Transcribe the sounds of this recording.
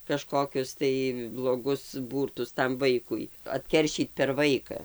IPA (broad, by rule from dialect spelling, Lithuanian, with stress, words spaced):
kɐˈʃkoːkʲʊs tɐɪ blˠoːˈɡʊs ˈbuːrtʊs tɐm ˈʋɐɪkʊɪ ɐtʲˈkʲɛrʲʃʲiːt pʲɛr ˈʋɐɪkɐ